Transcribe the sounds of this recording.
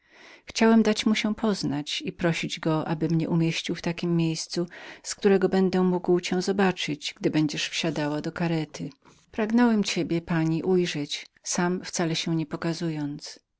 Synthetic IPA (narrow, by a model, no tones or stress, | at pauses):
xt͡ɕawɛmd̪at͡ɕmuɕɛpʰɔznat͡ɕipɾɔɕid͡ʑɡɔʔa̰bɘmɲɛʔumʲjeɕt͡ɕiwft̪akʲimːjejst̪susk̚t̪uɾɛɡɔbɛnd̪ɛmuɡwt͡ɕɛ̃zɔbat͡ʂɘd͡ʑɡd̪ɘbɛɲd͡ʑɛʂfɕad̪awad̪ɔkaɾɛt̪ʰɘ | pɾaɡnɔwɛmt͡ɕebʲjɛpaɲiʔujʐɛt͡ɕsamft̪salɛɕɛ̃ɲɛpɔkazujɔnt̪s